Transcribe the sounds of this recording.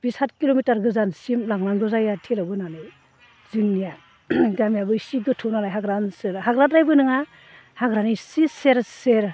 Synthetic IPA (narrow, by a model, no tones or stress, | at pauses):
b̥ishat̚kilomitaɾɡɯzansimlaŋlaŋɡɯzajatʰelabɯnanɯ | zɯŋnija | ɡamijabɯisiɡɯtʰɔnalajɦaɡɾansɯɾhaɡɾatɾajbɯnɯŋa | haɡɾanisiseɾseɾ